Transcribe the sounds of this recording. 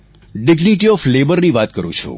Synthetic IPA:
ɖɪɡniʈiɔflebəɾniʋat̪kəɾṵ̃t͡ʃʰṵ̃

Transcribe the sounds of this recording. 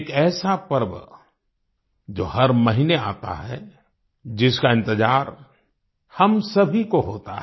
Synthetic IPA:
kɛːsapəɾb | d͡ʒoːɦɐɾmɐɦiːnea̰ːt̪a̰ɦɛ̰ | d͡ʒɪskaɪ̃nt̪ɪd͡ʒaːɾ | hɐmsɐbʱikoɦoːt̪a̰ɦ

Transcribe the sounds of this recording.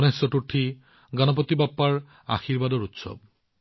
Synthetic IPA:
nesɔʈuʈʰi | ɡanɔp̬ɔt̪ibapːaɹ | a̰xiɹbadɔɹut̪sɔ̰b̚

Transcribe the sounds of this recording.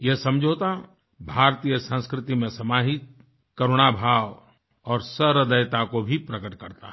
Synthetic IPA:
jeɦsɐ̃md͡ʒʱoːt̪a | bʱaːɾt̪iːjəsə̃nskɾɪt̪imẽsɐmaːɦɪt̪̚ | kɐɾoɽ̃abʱaːʋ | ɔːɾsəɾəd̪əjt̪akobʱipɾɐkəʈkɐɾt̪a̰

